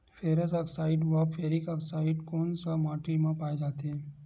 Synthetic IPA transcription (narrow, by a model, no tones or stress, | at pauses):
fʰeːɾəsaksaːɪɖʋapʰeːɾɪkaksaːɪɖkoːnsamaːʈimãpaːed͡ʒaːt̪ɦɛː